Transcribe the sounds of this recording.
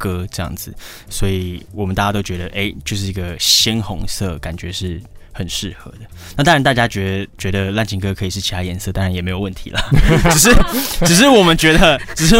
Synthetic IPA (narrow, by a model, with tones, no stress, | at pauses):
kɤ˥ʈ͡ʂɤ˥˧jɑ̰˥˩ŋd͡z̩˨˩ | swɔ˧˥i˨˩wɔ˨˩mənt̪a˥˩t͡ɕja˥t̪o˥ʊt͡ɕɥɛ˧˦d̪ə˧˨ʔe˥ɪt͡ɕjo˥˧ʊʂɻ̩˥˩i˧˥ɡə˧ɕi˥nxʊ̰˧˥ŋsɤ̰˥˩ka˨˩nt͡ɕɥɛ̰˧˦ʂɻ̩˥˩xə˨˩nʂɻ̩˥˩xɤ̰˧˦d̪ə˨ | na˥˩t̪a˥ŋɻa˧˥nt̪a˥˩t͡ɕja˥t͡ɕɥɛ˧˥də˧t͡ɕɥɛ˧˥d̪ə˧la˥˧nt͡ɕʰi˧˥ŋkɤ˥kʰɤ˧˥i˨˩ʂɻ̩˥˩t͡ɕʰi˨˥a˥˩jɛ˧˥nsɤ˥˧t̪ɑ˥ŋɻa˧˦njɛ˨˩me˧˥ɪjo˨˩ʊwə˥˩nt̪ʰḭ˧˥lɐ˨˩ʈ͡ʂ̩˨˩ʂ̬ɻ̩˥˩ʈ͡ʂɻ̩˨˩ʂ̬ɻ̩˥˩wɔ˨˩mə˨˦nt͡ɕɥɛ˧˥d̪ə˧ʈ͡ʂɻ̩˨˩ʂ̬ɻ̩˥˩